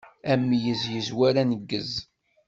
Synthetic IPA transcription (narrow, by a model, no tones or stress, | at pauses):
æmːjəzjəzwæɾænəɡːəz